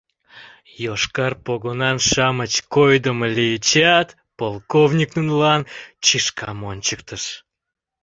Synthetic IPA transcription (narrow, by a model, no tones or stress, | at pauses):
joʃkɑrpoɣonɑnʃɑmət͡ɕkojd̪əməlijət͡ɕɑt̪ | polˠkovnʲiknunlɑnt͡ɕiʃkʰɑmonʲt͡ɕəkt̪əʃ